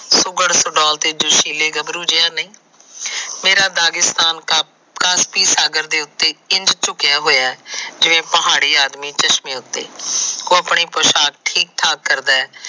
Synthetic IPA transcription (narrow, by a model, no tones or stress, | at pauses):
sʊɡəɽsʊɖɔːlt̪eːd͡ʒʊʃiːleːɡəbɾuːd͡ʒeaːnəĩː | meːɾaːd̪aːɡɪst̪aːn | kaːspiːsaːɡəɾd̪eːʊt̪ːeːɪnd͡ʒt͡ʃʊkɪjaːɦoːjaːɛːd͡ʒɪʋẽːpəɦaːɽiːaːd̪miːt͡ʃəʃmĩːʊt̪ːḛːkoːəpɳiːpoːʃaːk̚ʈʰiːk̚t̪ʰaːkːəɾd̪aːɛː